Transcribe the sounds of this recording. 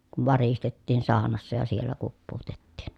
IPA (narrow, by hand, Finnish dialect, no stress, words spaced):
kuʋ ʋɑristetːiːn sɑːnɑsːɑ jɑ sielːæ kupːuːtetːiːn